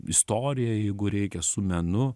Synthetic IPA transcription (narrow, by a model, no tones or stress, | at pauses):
ɪst̪oːɾʲɪjɛjɛɪɡʊɾʲɛɪkʲɛsʊmʲɛnʊ